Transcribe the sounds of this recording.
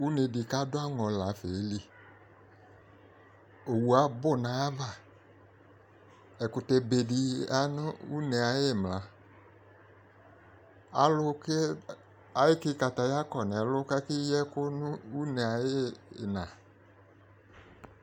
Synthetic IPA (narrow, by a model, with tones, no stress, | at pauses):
u˦ne˨di˨ka˦dʊ˦a˦ŋɔ̃˨la˨fe˨˦li˦ | o˨wu˨a˨˦bʊ˦˨nã˨˦a˦va˨ | ɛ˨kʊ˨tɛ˨be˨di˨a˦nʊ˦u˦nɛ˨a˨jɪ˦˨mla˨ | a̰˨lʊ˦ke˦ | a˨jɪ˦kɪ˦ka˨ta˨ja˦kɔ˨nɛ˨lʊ˦kɛ˦kɪ˦jɛ˦kʊ˦nʊ˦u˦nɛ˨a˨jɪ˦˨nã˨